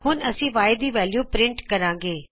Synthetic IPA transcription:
hʊnɐsĩʋaːɪd̪iʋɛːljuːpɾɪ̃ɳʈkɐɾãːŋɡeː

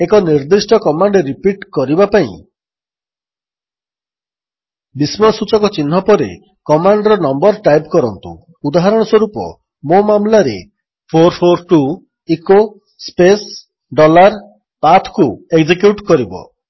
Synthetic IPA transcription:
ekɔniɾd̪isʈɔkɔmaɳɖeɾipiʈkɔɾibapaḭ̃ | bismɔsut͡ʃɔkɔt͡ʃinɦɔpɔɾḛ | kɔmaɳɖɾɔnɔmbɔɾʈajpkɔɾɔnt̪ṵ | ud̪aɦaɾɔɽ̃ɔswɔɾupɔ̰ | momamlaɾḛ | pʰoɾpʰoɾʈu | iko | spes | ɖɔlaɾ | pat̪ʰkueɡd͡ʒikjuʈkɔɾibɔ̰

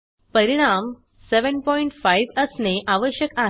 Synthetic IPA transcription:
pəɾiɽ̃am | seʋənpɔiɳʈfaiʋəsneʔaʋəɕjəkaɦ

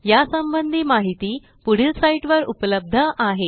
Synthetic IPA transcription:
jasəmbənd̪ʱiːmaɦit̪iː | puɽ̤ilsaiʈʋəɾṵpləb̚d̪ʱəʔaɦe

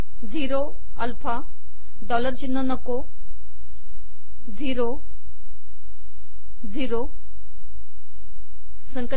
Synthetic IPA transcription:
ziːɾo | ɐlpʰa | ɖɔːləɾt͡ɕinːənɐko | ziːɾo | ziːɾo | sə̃ŋkə

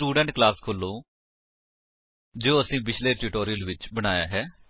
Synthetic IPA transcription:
uːɖɛ̃ːɳʈ̚klaːskʰoːlːoː | d͡ʒoːəsĩːbɪt͡ʃʰleːʈuːʈoːɾijəlʋɪt͡ʃbəɽ̃aːja̰ːɦɛː

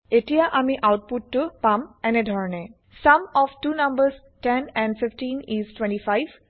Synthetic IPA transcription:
eʈijaʔamiʔawʈ̚puʈːupamɛnedʱɔɾne | sɐmɔfʈunɐ̃mbəɾz | ʈɛ̃nɛ̃ɳɖfɪfʈĩniːzʈwẽɳʈifajʋ

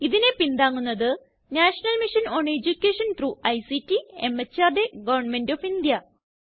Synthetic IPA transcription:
iðine̞pind̪aːŋːunːɐðɨ | naːʂɐnɐlmiʂɐnoːɳed͡ʑukʲːeːʂɐnʈruːɐjsitːiemɐt͡ɕːaːrɖe̞ɡɐʋɐrɳme̞ndoːfind̪jɐ

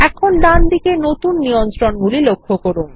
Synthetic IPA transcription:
ɛkʰonɖand̪ikenot̪unːijont̪ɾonɡulilokʰːokoɾun

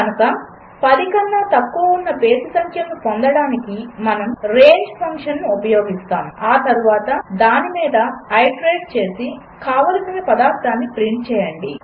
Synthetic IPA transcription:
kɐnukɐ | pɐd̪ikɐnːaːt̪ɐkːoːunːɐpeːsisɐŋkʰjɐmlupond̪ɐɽaːnikimɐnɐmɾeːɲd͡ʒpʰɐŋkʂɐnnuːpɐjoːɡist̪aːmaːt̪ɐɾuʋaːt̪ɐd̪aːnimiːd̪ɐːjɖɾeːɖ̚t͡ʃe̞ːsi | kaːʋɐlɐsinepɐd̪aːɾt̪aːnːipɾiɳʈ̚t͡ʃɛːjɐɳɖi

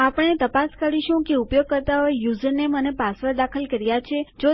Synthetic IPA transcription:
apəɳet̪əpaskəɾiʃũkeupjoɡ̚kəɾt̪aɦoejuzəɾnemənepasʋəɾd̪akʰəlkəɾjat͡ʃʰed͡ʒo

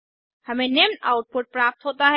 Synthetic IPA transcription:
hɐmẽneːmnaːʊʈ̚pʊʈ̚pɾaːp̚t̪ɦoːt̪aɦɛ

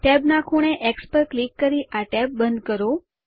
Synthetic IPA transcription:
ʈɛbnakʰuɽ̃eʔekspəɾklikːəɾiʔaʈɛb̚bənd̪kəɾo

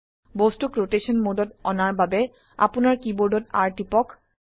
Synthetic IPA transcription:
bostukɹotesɔnmodɔtɔnaɹbabɛ | a̰pʊnaɹkiboɹdɔta̰ɹtipɔk

